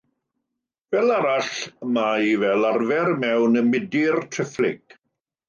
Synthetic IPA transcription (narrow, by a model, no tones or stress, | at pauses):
vɛlˠaɾaɬmaivɛlarvɛɾmɛwnəmɪdɪrtʰrɪflɪ̰ɡ̥